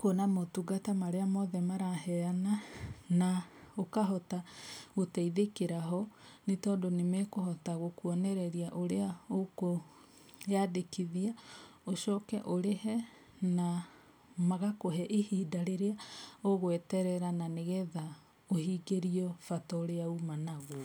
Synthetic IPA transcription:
kuɔnamotuɡatamaɾeamɔðɛmaɾaɦɛananaokaɦɔtaɣotɛiðekeɾaɦɔnetɔːndonemɛkohɔtaɣokuɔnɛɾɛɾiaʔoɾeaoko | adekiðiaoʃɔkɛʔoɾehɛ | na | maɣakoɦɛʔehiːdaɾeɾeaoɣwɛtɛɾɛɾananeɣɛða | ohiːɡeɾiɔfatɔɾeaumanaɣo

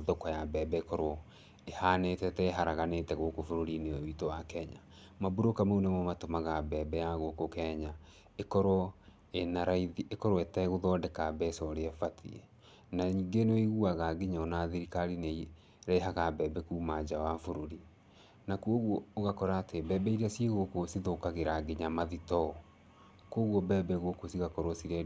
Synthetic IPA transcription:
ðokɔjabɛːbɛekɔɾɔ | ehaːnetɛtɛeɦaɾaɣanetɛɣokofoɾoɾineɔitowakɛɲa | mabuɾokamoonemɔmatomaɣabɛːbɛjaɣokokɛɲa | ekɔɾwɔ | enaɾaiðiʔekɔɾoɛtɛɣoðɔːdɛkabɛesɔɾeɛfatʰḭɛ | naɲiːɡenwiɣuaɣaɡeɲɔnaðiɾikaɾinei | ɾaeɦaɣabɛːbɛkumad͡ʒawafoɾoɾi | nakuoɣwɔoɣakɔɾaːtebɛːbɛiɾasieɣokosiðokaɣeɾaɡeɲamaðitɔɔ | koɣwɔbɛːbɛɣokosiɣakɔɾɔsiɾɛ

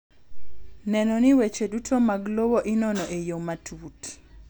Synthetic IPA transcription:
nɛnɔniwet͡ʃedutʰomaɡlowoʔɪnɔnɔʔejomatʰut

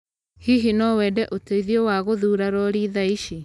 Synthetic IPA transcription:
hiɦinɔwɛːdɛʔoteiðiɔwaɣoðuːɾaɾɔɾiðaiʃe

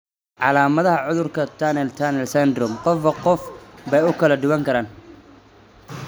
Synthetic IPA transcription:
ʕɑlaːmɐðɐɦɐʕʊðʊrkʰɐt̪ʰanɛlt̪ʰanɛlsɛnd̪ɾʊmqɔfɐqɔfbɛjʊkʰɐlɐɖ̪ʊwɐŋkʰɐɾaːn

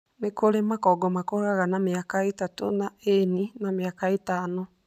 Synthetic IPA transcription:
nekoɾemakɔɡɔmakɔɾaɣanameakaetatonaeninameakaetano

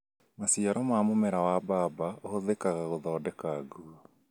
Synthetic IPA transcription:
masiaɾɔmamomɛɾawabaːbaohoðekaɣaɣoðɔːdɛkaɡuɔ

